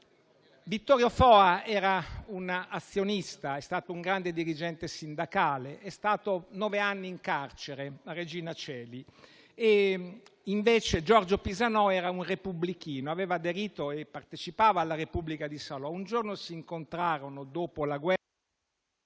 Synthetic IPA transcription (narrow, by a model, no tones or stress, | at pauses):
vit̪ːɔːɾjofɔːaɛːɾaunat̪sːjonist̪aɛst̪aːt̪ouŋɡɾand̪ed̪iɾid͡ʒɛnt̪esind̪akaːleʔɛst̪aːt̪onɔveanːiːŋkart͡ʃeɾeared͡ʒiːnat͡ʃɛːli | e | iɱveːt͡ʃed͡ʒɔrd͡ʒopizanɔɛːɾaunrepublikiːnoaveːvaːd̪eɾiːt̪oepːart̪et͡ʃipaːvaːlːaɾepubːlikad̪isalɔund͡ʒornosiːŋkont̪ɾaːɾonod̪oːpolaɡwɛ